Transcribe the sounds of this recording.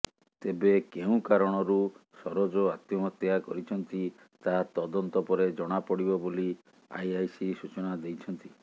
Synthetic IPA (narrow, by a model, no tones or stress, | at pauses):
t̪ebekeũkaɾɔɽ̃ɔɾusɔɾod͡ʒɔat̪jɔmɔt̪jakɔɾit͡ʃʰɔnt̪i | t̪at̪ɔd̪ɔnt̪ɔpɔɾed͡ʒɔɽ̃apɔɽibɔboli | a̰jajsisut͡ʃɔnad̪ejt͡ʃʰɔnt̪i